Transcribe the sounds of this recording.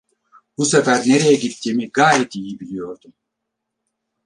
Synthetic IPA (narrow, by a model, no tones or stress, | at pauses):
b̥usefæɾneɾejɛɟit̪ʰːiːmiɡaːjɛt̪ʰijibilʲijo̞ɾd̪u